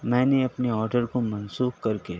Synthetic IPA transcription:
mɛ̃ːneɐpneɔːɾɖəɾkomɐnsuːxkɐɾke

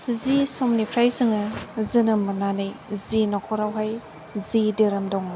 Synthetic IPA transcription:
zisɔmnipʰɾajsɯŋɯzɯnɯmɯnanɯjzinɔkʰɔɾawɦaj | zideɾɯmdɔŋ

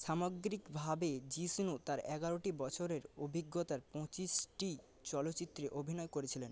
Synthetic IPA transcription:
ʃamoɡɾikbʱabed͡ʑisnut̪aɾɛɡaɾoʈibɔt͡ɕʰoɾeɾobʱiɡːot̪aɾpɔ̃t͡ɕisʈi | t͡ɕɔlotːɕit̪ːɾeʔobʱinɔekoɾet͡ɕʰilen

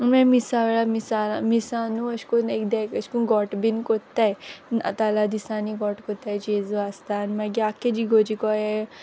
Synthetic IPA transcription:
unmãmisaʋeɭamisalamisanuəɕkunekd̪akəɕkunɡɔʈbinkɔt̪ajna̰t̪alad̪isãniɡɔʈkɔt̪ajd͡ʑed͡zuast̪animaɡiaked͡ʑiɡod͡ʑikɔje

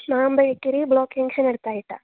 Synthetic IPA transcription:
naːmbɐjekːiɾibɭoːkiŋɡsenɐɽt̪aːjiʈːa̰

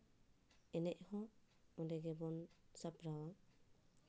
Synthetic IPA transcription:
ɛnɛʔ̚hɔ | mɔdɛɡɛbɔnsapɾawa

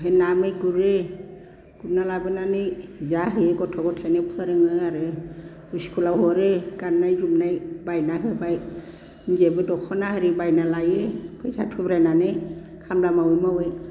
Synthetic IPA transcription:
ɦenamɯjɡuɾe | ɡ̥unalabɯnanɯjzaɦɯjɡɔtʰɔɡɔtʰajnapʰɯɾɯŋɯaɾɯ | usi̥kʰulawɦɔɾeɡ̥anːajzumnajbajnaɦɯbaj | nzebɯdɔkʰɔnaɦɯɾibajnalajepʰɯjzatʰubɾajnanɯj | kʰamlamawɔjmawej

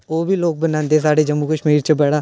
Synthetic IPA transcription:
oːbʱiːloːk̚bənãːnd̪eːs̬aːɖeːd͡ʒəmːuːkəʃmiːɾt͡ʃəbɛːɽaː

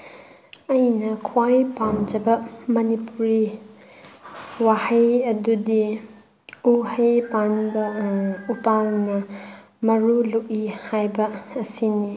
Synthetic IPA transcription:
ɐjnɐkʰwajpamd͡ʒɐbɐmɐnipuɾi | wahɐjɐdudi | uhejpanbɐupalnɐ | mɐɾuloʔihajbɐːsini

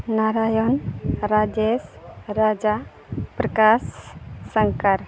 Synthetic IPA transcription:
naɾajɔnɾad͡ʒesɾad͡ʒa | pɾəkasːəŋkaɾ

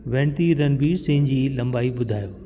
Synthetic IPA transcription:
ʋẽːɳt̪iɾɐnbiːɾsɪ̃ɦɪ̃nd͡ʑiːlɐ̃mbaːibʊd̪ʱaːjoː

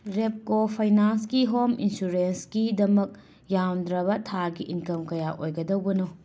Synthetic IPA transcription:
ɾep̚kopʰajnanskiɦominsuɾensɡidɐmɐk̚ | jawnd̪ɾɐbɐtʰaɡiʔinkɐmkɐjaʔojɡɐdɐwbɐno

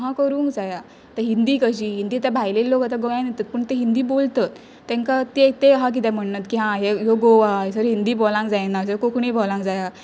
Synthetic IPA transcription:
ɦãkəɾũːŋkd͡zaja | t̪əɾɦind̪iːkəɕiːɦind̪iːat̪abʱajlelːokat̪aɡoanet̪ət̪̚pəɳt̪eɦind̪iːbolt̪at̪ː | ɛ̃ŋkat̪et̪eɦak̬it̪̬ɛ̃m̤əɳːət̪kiɦãɦejoɡoʋasəɾɦind̪iːbolãŋkd͡zajnasəɾkokɳibʱɔlãŋkd͡zaja

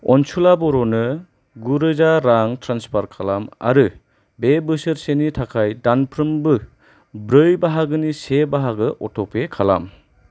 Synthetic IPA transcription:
ɔnsulabɔɾonɯ | ɡuɾɯzaɾaŋtʰɾanspʰaɾkʰalama̰ɾɯ | bebɯsɯɾsenitʰakʰajdanpʰɾɯmbɯ | bɾɯjbaɦaɡɯnisebaɦaɡɯʔɔtʰɔpekʰala̰m

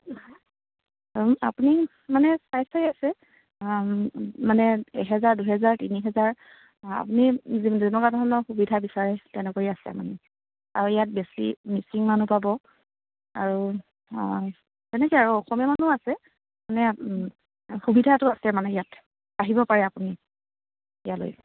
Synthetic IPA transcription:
a̰puni | manɛsajsajasɛ | manɛɛɦɛzaɹduɦɛzaɹtiniɦɛzaɹ | a̰punizizɛnɔɡadɔɔnɔxubidʱabisaɹɛtɛnɛkoiasɛ̰manɛ | a̰ɹuɛjat̚besḭmisiŋmanupabɔ | aɹu | zɛnɛkiaɹuɔxɔmɔmanuasɛ | manɛ | xubidʱatʊasɛmanɛjat | aɦibɔpaɹɛapuni | ijalo̰j

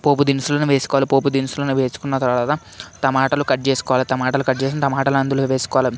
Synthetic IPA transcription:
po̞ːp̬ud̪insulɐnuʋe̞ːsu̥kɔʋalipoːp̬ud̪insulɐnuʋe̞ːsu̥kunːɐt̪ɐɾɐlaːt̪ɐ | t̪ɐmaːʈɐlukɐʈ̚t͡ʃeːsu̥kɔːʋalit̪ɐmaːʈɐlukɐɖ̚t͡ʃeːs̬inɐt̪ɐmaːʈɐluɐnd̪uluʋe̞ːsu̥kɔʋalɐ

